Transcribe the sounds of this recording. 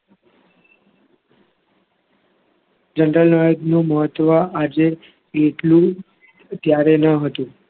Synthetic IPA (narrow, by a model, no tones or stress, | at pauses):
d͡ʒənɾəlnəd̪nũməɦət̪ːʋaʔad͡ʒe | eʈlũ | t̪jaɾenəɦət̪ũ